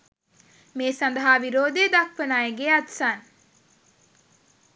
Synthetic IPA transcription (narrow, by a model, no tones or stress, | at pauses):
meːsand̪əɦaːʋiɾoːd̪ed̪ak̚pənaːjeɡeat̪san